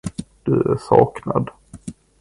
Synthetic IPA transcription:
d̪̥ɵæʂɑːknad̪

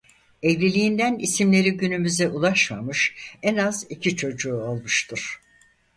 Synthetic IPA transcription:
ɛvlʲilʲijind̪ænisimlʲe̞ɾiɟynymyzɛʔulˠaʃma̰mɯʃɛnazicʰit͡ʃʰo̞d͡ʒuːolˠmɯʃt̪ʰɯɾ̥

